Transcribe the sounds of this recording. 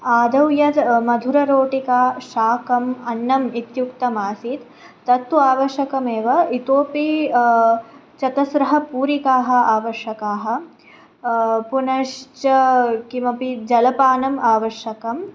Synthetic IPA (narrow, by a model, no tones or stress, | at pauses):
aːd̪ɐwjɐt̪mɐd̪ʱuɾɐɾoːʈikaːʃaːkɐmɐnːɐmit̪jukt̪ɐmaːsit̪ː | ɐt̪ːuaːʋɐʃjɐkɐmeːʋɐit̪oːpi | t͡ʃɐt̪ɐsɾɐɦɐ̆puːɾikaːɦɐ̆aːʋɐʃjɐkaːɦɐ̆ | punɐʂt͡ʃɐkimɐpid͡ʒɐlɐpaːnɐmaːʋɐʃjɐkɐm